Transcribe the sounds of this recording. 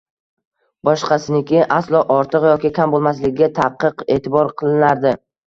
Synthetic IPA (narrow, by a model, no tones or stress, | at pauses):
bɒʃqʰɑsɪnɪkʲɪʔaslˠɒʔɒɾt̪ʰɨqjɒkʲɪkʲʰambolˠmaslɪkʲɡʲat̪ʰaqʰːɨqe̞̰ːt̪ʰɪbɒɾqʰɨlˠɪnaɾd̪ɪ